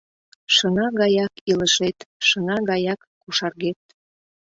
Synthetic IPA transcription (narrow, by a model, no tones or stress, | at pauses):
ʃənɑɣɑjɑkiləʃet̪ʃə̆nɑɣɑjɑkːuʃɑrɣet̪̚